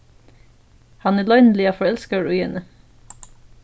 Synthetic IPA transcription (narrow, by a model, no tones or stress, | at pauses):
hɑnæːlɑʏnlɪɑːfɔɹɛlskəɹʉʏɛnə